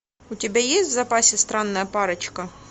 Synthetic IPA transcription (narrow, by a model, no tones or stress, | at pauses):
ʊtʲɪbʲajesʲtʲzɐpasʲɪst̪ɾanːɐjɐpɑɾɐt͡ɕkɐ